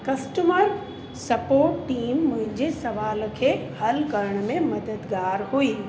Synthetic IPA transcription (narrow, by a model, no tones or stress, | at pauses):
kɐsʈəməɾ | sɐpoːʈːiːmːʊ̃ɦɪ̃ɲd͡ʑesɐʋaːlkʰehɐlkɐɾəɽ̃mẽmɐd̪əd̪ɡaːɾɦuiː